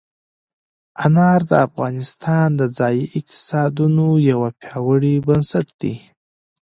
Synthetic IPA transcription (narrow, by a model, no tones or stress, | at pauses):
anɑɾd̪əafɣɑnɪst̪ʰɑnd̪əd͡zɑjiɪq̚t̪ɪ̥sɑd̪unojawapjɑwəɽibənsaʈd̪̥ḭ